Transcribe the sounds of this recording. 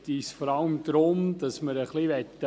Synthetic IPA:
tisfɔɾɑləmd̪ɾʊmd̪̥ɑsməɾəχliʋɛt̪ːə

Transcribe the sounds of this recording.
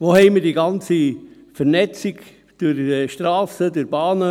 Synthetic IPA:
ʋoːhɛɪməɾdiːɡɑnt͡si | fəɾnɛt͡siɡ | d̥ʊɾʃtɾɑːsədʊɾb̥ɑːnə

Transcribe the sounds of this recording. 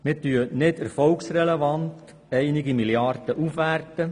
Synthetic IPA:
mɪtyənɪdæɾfɔlksɾɛlɛvɑnt̪ | ɛɪnɪɡimiljɑɾd̥əʔufʋærtə

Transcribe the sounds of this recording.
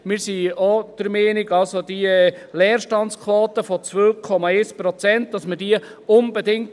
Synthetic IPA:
mɪɾsiɔd̥əɾmɛːnɪɡɑlsodilɛːɾʃtɑnt͡skʰwɔːt̪əfɔt͡sʋøwkʰɔmɑɛɪspɾɔt͡sɛnt̚dɑsmədiəʊnbɛdɪŋt

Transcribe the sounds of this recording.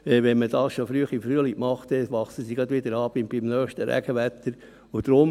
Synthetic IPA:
ɛʋɛnməd̥ɑːsʃofɾyəχifɾyəlikmɑχt̪ɛʋɑχsəsiɡɑd̪ʋɪd̪əɾɑːb̥ɪmb̥ɪmnœːχʃtəɾæ̰ɡ̥əʋæt̪əɾ | ʊd̪̥ɾʊm

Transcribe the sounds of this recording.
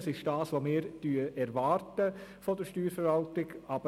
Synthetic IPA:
sɪʃd̥ɑːsʋomɪːɾtyəʔɛɾʋɑːɾtəfɔdəɾʃtyːɾfəɾvɑltɪɡɑbə

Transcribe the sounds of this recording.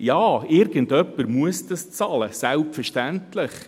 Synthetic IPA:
jɑːɪɾɡ̥əndœpːəɾmuəsdɑst͡sɑləsælpfəɾʃtæntləχ

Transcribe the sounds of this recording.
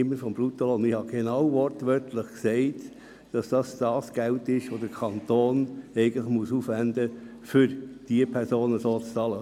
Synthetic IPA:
ɪmːəfɔmbɾut̪olonɪhɑɡ̥enɑwʋɔɾtʋœɾtʰləχksɛɪt | d̥ɑsd̥ɑsd̥ɑːsɡ̥æltɪʃʋod̥əɾkʰɑnt̪oːnɛɪɡən̩tləχmuəsuːfʋænd̪ə | fʏɾd̥iəpʰɛɾsoːnəsoːt͡st͡sɑlə

